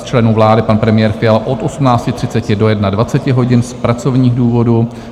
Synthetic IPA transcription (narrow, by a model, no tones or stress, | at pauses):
t͡ʃlɛnuvlaːdɪpanpɾɛmɪjɛːɾfɪjalʔo̞t̪ʔo̞sumnaːt͡scɪt̪r̝̥ɪtt͡sɛcɪdo̞jɛdnadvat͡sɛcɪɦo̞ɟɪnspɾat͡so̞vɲiːɣduːvo̞du